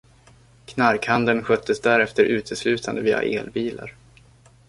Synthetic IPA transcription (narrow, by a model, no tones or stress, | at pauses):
kʰnaɾkhand̪ənɧœt̪ʰːəsd̪æɾɛft̪əɾʔʉ̟ːt̪ʰəslʉ̟ːt̪ʰand̪əviːa̰ʔḛːlbiːla̰ɾ